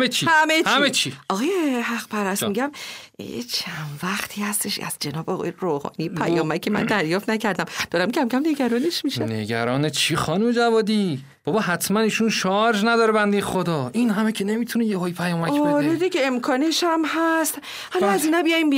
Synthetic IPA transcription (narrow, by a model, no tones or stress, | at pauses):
et͡ʃʰihæmehæmet͡ʃʰiɒɣɒːjehæχpʰæɾæsmiɟæm̰ḛt͡ʃʰænvæχt̪ʰiːhæst̪e̞ʃæ̰z̥d͡ʒe̞nɒːbeɒɣ̰eɾoːhɒ̰ːnijpʰæ̰jɒːmæcʰːemæ̰nd̪æɾjɒːft̪næcʰæɾd̪æmd̪̥ɒːɾæmcʰæmcʰæmne̞ɡæɾɒːneʃmiʃænḛɡæ̰ɾɒːnet͡ʃʰiχɒːnumed͡ʒævɒːd̪iː | b̥ɒbɒːɦæt̪ʰmæniːʃunʃɒɾd͡ʒnæd̪ɒːɾebænd̪ejexod̪ɒːʔinɦæmecʰene̞miːt̪ʰunejehɒːjipʰæjɒːmæbeɾed̪iɡeemkʰɒːneʃæmɦæst̪ | hælɒæzinæbijɒːimb